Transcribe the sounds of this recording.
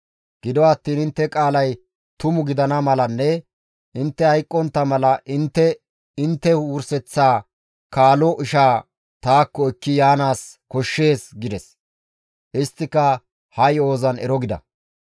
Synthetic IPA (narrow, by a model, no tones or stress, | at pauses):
ɡ̥ɪd̪ɔɐt̪ːiːnɪnt̪ːɛkʼaːlɐj | t̪ʊmʊɡɪd̪ɐnɐmɐlɐnːɛ | ɪnt̪ːɛhɐjkʼːɔnt̪ːɐmɐlɐʔɪnt̪ːɛ | ɪnt̪ːɛwʊɾsɛt͡sːaː | kaːlɔʔɪʃaː | t̪aːkːɔɪkːɪjaːnaːskɔʃːe̞ːsɡɪd̪ɛs | ʔɪst̪ːɪkːɐ | hɐjo̞ːzɐnɛ̰ɾɔɡɪd̪ɐ̰